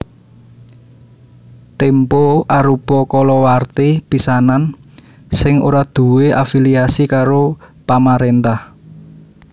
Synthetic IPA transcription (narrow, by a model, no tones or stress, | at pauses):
t̪empoaɾupɔkɔlɔwart̪ib̥i̤sanan | sɪŋo̰ɾad̪̥ṳweafiliasikaɾopamaɾent̪ah